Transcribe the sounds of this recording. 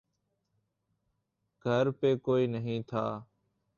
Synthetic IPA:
ɡʱəɾpeːkoːiːnəɦĩːt̪ʰa̰ː

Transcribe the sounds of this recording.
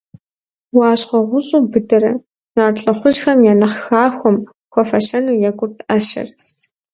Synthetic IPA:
wɑːɕʼqɐʁʷʊɕʼuːbɨdɐɾɐ̰ | naːrɬʼɐχʷʊʒxɐmjaːnɨχxaːxʷɔm | xʷɔfɐɕɐnuːjɛkʷʼʊtʔɐʃɐ̰r

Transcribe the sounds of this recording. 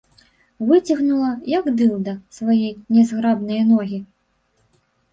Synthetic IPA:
vɨt͡sʲɐɣnulˠɐjɐɡd̪ɨlˠd̪ɐsvajɛjnʲɛzɣɾabnɐjnɔɣʲi

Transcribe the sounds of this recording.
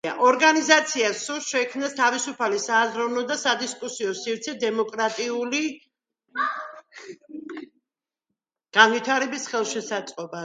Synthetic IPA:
a̰ʔɔɾɡanizat̪sʰiasuɾʃɛkʰmnast̪ʰavisupʰalisaːzɾɔvnɔd̪asad̪iskʼusiɔsivt̪sʰɛd̪ɛmɔkʼɾat̪ʼiuli | ɡ̥anvit̪ʰaɾɛbisχɛlˠʃɛsat̪sʼqʼɔba

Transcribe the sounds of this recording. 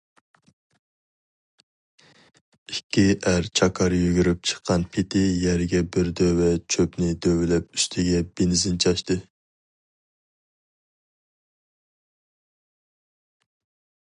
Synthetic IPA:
ikʲʰːiʔæɾt͡ʃʰɑkʰɑɾjyɡʲyɾyp̚t͡ʃʰə̥qʰːɑnpʰet̪ʰɪjɛɾɡʲɛbɪɾd̪øwɛt͡ʃʰøpnɪd̪øwylɛp̚yʃt̪ʰɪɡʲɛbenɪzɪnt͡ʃʰɑʃt̪ɨ

